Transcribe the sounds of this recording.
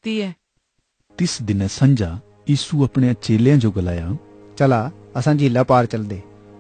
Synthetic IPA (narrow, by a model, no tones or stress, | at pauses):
t̪iːɛː | t̪ɪsd̪ɪnɛsə̃nd͡ʒaː | jiːsuɐpɽ̃ẽt͡ʃeːljãːd͡ʒoːɡəlaːjaː | t͡ʃəlaːəsãːd͡ʒʱiːlaːpaːɾt͡ʃəld̪eː